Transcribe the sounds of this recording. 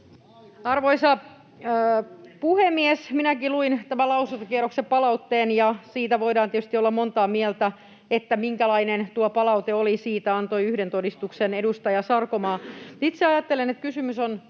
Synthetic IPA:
ɑrʋoisɑ | puhemːiesminækiluint̪æmælɑusunt̪ɑkieroksepɑlɑut̪ːeːnjɑsiːt̪æʋoidɑːnt̪iet̪y̥st̪iolːɑmont̪ɑːmiɛlt̪æ | et̪ːæmiŋkælɑinent̪uopɑlɑut̪eolisiːt̪æɑnt̪oiyhdent̪odist̪uksenedust̪ɑjɑsɑrkomɑːit̪seɑjɑt̪ːelenet̪̚kysymyson

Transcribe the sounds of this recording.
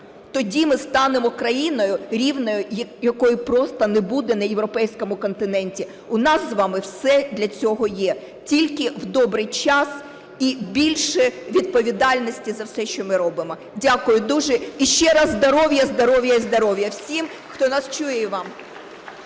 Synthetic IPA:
t̪ɔdʲimɪst̪ɑnemɔkɾɐjinɔjʊɾʲiwnɔjʊjjɐkɔjʊpɾɔst̪ɐnebud̪ɛnɐjewɾɔpɛjsʲkɔmʊkɔnt̪ɪnɛnʲtʲi | ʊnɑszʋɑmɪwsɛd̪lʲɐt͡sʲɔɦɔjɛ | tʲilʲkɪwd̪ɔbɾɪjt͡ʃɑs | ibʲilʲʃɛʋʲid̪̚pɔʋʲid̪ɑlʲnɔsʲtʲizɐwsɛʃt͡ʃɔmɪɾɔbɪmɔ | dʲakʊjʊd̪uʒɛiʃt͡ʃɛɾɑzzd̪ɔɾɔʋjɐzd̪ɔɾɔʋjɐizd̪ɔɾɔʋjɐwsʲim | xt̪ɔnɑst͡ʃujɛʋɑm

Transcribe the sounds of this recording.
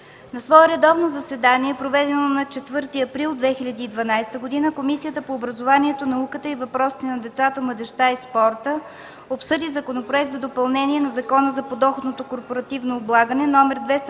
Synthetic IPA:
nɐsvɔɛɾɛd̪ɔvnozɐsɛd̪aniɛpɾovɛd̪ɛnonɐt͡ʃɛt̪vɤɾt̪iɐpɾilˠd̪vɛxilʲɐd̪iːd̪vɐnajst̪əɡod̪inəkomisijət̪əpoːbɾəzovaniɛt̪onɐukət̪əivɐpɾɔsi̥t̪ɛnɐd̪ɛt̪sat̪əmlˠɐd̪ɛʃt̪aispɔɾt̪ə | opsɤd̪izɐkonopɾoɛk̚t̪zɐd̪opɐlˠnɛniɛnɐzɐkɔnəzɐpod̪ɔxot̪not̪okoɾpoɾɐt̪ivnoːblˠaɡənɛnɔmɛɾd̪vɛst̪

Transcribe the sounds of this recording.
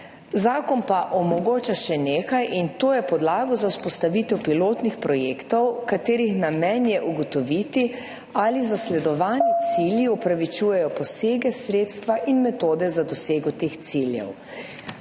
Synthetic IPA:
zaːkɔnpaʔɔmɔɡoːt͡ʃaʃɛneːkajʔint̪oːjɛpɔd̪laːɡɔzauspɔst̪aʋit̪ɛwpiloːt̪nixpɾɔjeːkt̪ɔwkat̪eːɾixnamɛnjɛʔuɡɔt̪ɔʋit̪i | alizaslɛd̪ɔʋaːnit̪siːljiɔpɾaʋit͡ʃuːjɛjɔpɔseːɡɛsɾeːt̪st̪ʋaʔinmɛt̪oːd̪ɛzad̪ɔseːɡɔt̪eːxt̪siljɛ̰w

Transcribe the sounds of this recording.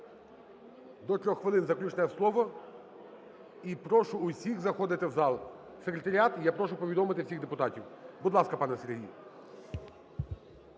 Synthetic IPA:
d̪ɔt̪ʲɾʲɔxːʋɪlˠɪnzɐklʲut͡ʃnɛɛslˠɔʋɔ | ipɾɔʃʊːsʲiɣzɐxɔd̪ɪt̪ɪwzɑlˠ | sekɾʲet̪ɐɾʲiɑt̪japɾɔʃʊpɔʋʲid̪ɔmɪt̪ɪwsʲiɣd̪epʊt̪ɑtʲiwbʊd̪lˠɑskɐpɑnɛserɦʲij

